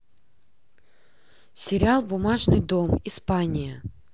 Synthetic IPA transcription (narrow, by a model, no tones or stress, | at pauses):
sʲɪɾʲɪalˠbʊmaʐnɨjd̪omispanʲɪjə